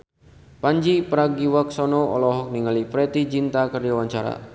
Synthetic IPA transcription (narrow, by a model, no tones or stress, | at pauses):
paɲd͡ʒipəɾaɡiwaksɔnɔɔ̰lɔɦɔk̚niŋalipɾɛt̪id͡ʒint̪akərd͡ʒawaɲt͡ʃaɾa̰